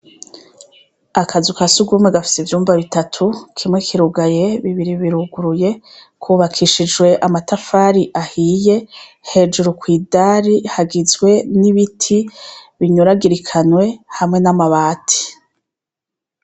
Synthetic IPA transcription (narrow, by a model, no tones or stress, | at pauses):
akazukasuɡuːmweɡafi̥sivjuːmbaβitatʰukʰimŋekʰiɾuɡaje̞βiβiɾiβiɾuɡuɾuje̞ | kʰuβakʰiʃid͡ʒwe̞ʔamatafaːɾiʔahiːje̞he̞d͡ʒuɾukwiːdaːɾihaɡizwe̞niβitʰiβiɲuɾaɡiɾikʰanwe̞hamŋe̞namaβaːtʰi̥